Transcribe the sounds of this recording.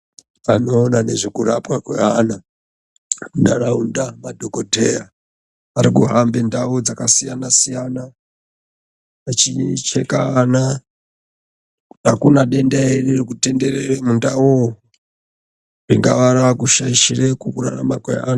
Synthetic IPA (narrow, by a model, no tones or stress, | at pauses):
ʋano̞ːnane̞ʐikuɾapwakwḛɦana | ndaraundamadʱokodʱera | aɾikuɦambendaod͡zakasijanasijana | at͡ʃit͡ʃe̞kaːna | akunaɗe̞ndaererikute̞nde̞reremundau | riŋɡa̰ʋaɾaakuʃaiʃirekukura̰ramakwḛɦa̰ːna